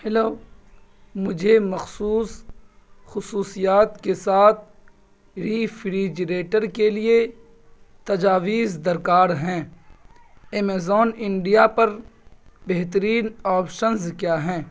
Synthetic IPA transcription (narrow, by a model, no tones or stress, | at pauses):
hɛloː | mʊd͡ʒʱemɐxsuːs | xʊsuːsijaːt̪kesaːt̪̚ʰ | ɾiːfʰɾiːd͡ʒɾeːʈəɾkelie | t̪ɐd͡ʒaːʋiːzd̪ɐɾkaːɾɦɛ̃ː | eːmeːzɔːnɪ̃ɳɖijapɐɾ | beɦt̪̬əɾiːnɔːpʃənzkjaːɦɛ̃ː